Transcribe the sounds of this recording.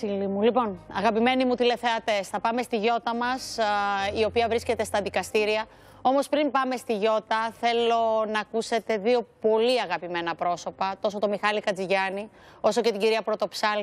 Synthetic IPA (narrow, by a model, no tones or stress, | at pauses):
ilimulipo̞nɐ̰ɣɐpime̞nimut̪ile̞θe̞ɐt̪e̞sθɐpɐme̞st̪iʝo̞t̪ɐmɐsio̞piɐvɾisce̞t̪e̞st̪ɐðikɐst̪iɾiɐ | o̞mo̞spɾimbɐme̞st̪iʝo̞t̪ɐθe̞lo̞nɐːkuse̞t̪e̞ðio̞po̞liɐɣɐpime̞nɐpɾo̞so̞pɐt̪o̞sot̪o̞mixɐlikɐd͡ziʝɐni | o̞so̞cet̪iɲɟiɾiɐpɾo̞t̪o̞psɐl